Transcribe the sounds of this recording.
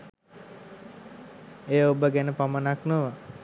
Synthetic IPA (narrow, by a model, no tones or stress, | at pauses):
ejəobəɡænəpamənaknoʋa